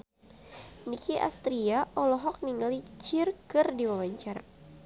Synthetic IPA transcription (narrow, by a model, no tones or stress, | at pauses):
nikiʔa̰st̪ɾiaʔɔlɔɦɔk̚niŋalit͡ʃirkɨrdiwawaɲt͡ʃaɾa